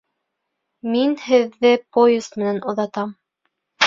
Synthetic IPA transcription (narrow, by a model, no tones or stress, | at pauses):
minhɘ̆ðːɘpojɪst̪mɘ̆nænʔŏðɑt̪ɑm